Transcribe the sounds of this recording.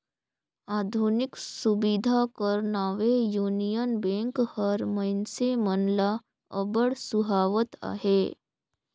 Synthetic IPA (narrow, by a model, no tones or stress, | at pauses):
aːd̪ʱunɪksʊbid̪ʱakəɾnaːʋejuːnijənbẽːŋkhəɾməɪnsemənla | əbəɽsʊɦaːʋət̪a̰ːɦeː